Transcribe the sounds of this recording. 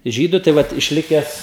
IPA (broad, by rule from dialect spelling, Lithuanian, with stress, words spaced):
ˈʒʲiːdʊ tɐɪ ˈʋɐt ɪʃʲˈlʲɪkʲɛs